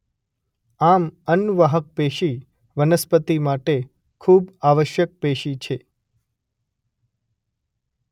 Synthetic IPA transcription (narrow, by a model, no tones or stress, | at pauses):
amənʋaɦək̚peʃi | ʋənəspət̪imaʈe | kʰubaʋəʃjək̚peʃit͡ʃʰe